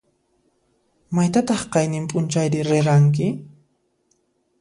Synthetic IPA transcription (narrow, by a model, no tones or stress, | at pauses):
majt̪at̪ɑχqɑjnɪmpʼʊnt͡ʃajɾɪɾɪɾaŋk̬ɪ